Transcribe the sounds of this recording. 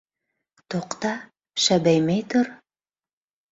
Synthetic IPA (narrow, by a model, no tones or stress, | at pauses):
t̪oqt̪ɑ | ʃæbæjmæjt̪uɾ